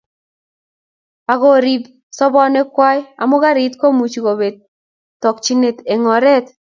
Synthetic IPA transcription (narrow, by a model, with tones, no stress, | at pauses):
pa˨ɡɔ˦˨ɾi˦b | sɔ˦bɔ˦nɛ˦kwa˦ja̰˨mʊ˦ɡa˦ɾi˦t̪ko˦mu˨t͡ʃɡo˨be˨d̚ | t̪ːɔ˨k̚t͡ʃi˦ne˨t̪e˨ŋɔ˨ɾɛ˦t̪